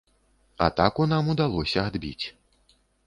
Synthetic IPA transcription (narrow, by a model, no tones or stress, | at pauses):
a̰t̪akunamud̪alˠɔsʲɐad̪bʲḭt͡sʲ